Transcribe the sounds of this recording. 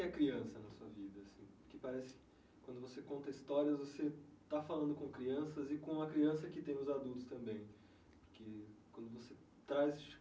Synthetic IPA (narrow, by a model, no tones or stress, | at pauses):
ɪɛkɾiɐ̃sɐnɐsuɐvid̪ɐːsĩpoɾkepaɾɛsɪ̥ɪ̥kɪ | kwɐ̃nd̪ʊvosekõnt̪ɐist̪ɔɾiɐzvoset̪afalɐ̃nd̪ʊkõkɾiɐ̃sɐzɪkõɐkɾiɐ̃sɐkɪt̪ẽj̃ʊzad̪ult̪ʊ̥st̪ɐ̃mbẽj̃ | poɾkekwɐ̃nd̪ʊvose | t̪ɾajz